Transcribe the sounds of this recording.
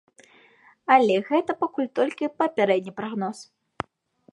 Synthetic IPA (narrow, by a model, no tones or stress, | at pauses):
ɐlʲɛɣɛt̪ɐpakulʲt̪ɔlʲkʲipɐpʲɛɾɛd̪̚ʲnʲipɾaɣnɔs